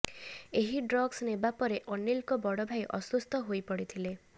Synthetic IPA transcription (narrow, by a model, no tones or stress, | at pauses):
eɦiɖɾɔɡsnebapɔɾeʔɔnilkɔbɔɽɔbʱajʔɔ̰sust̪ʰɔɦojpɔɽit̪ʰile